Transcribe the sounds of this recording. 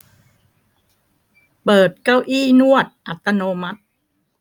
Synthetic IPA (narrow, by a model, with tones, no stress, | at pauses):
pɤː˨˩t̪̚ka˧˩wʔiː˥˩nu˥˩ət̪̚ʔa˨˩t̪ːa˧noː˧ma˦˥t̪̚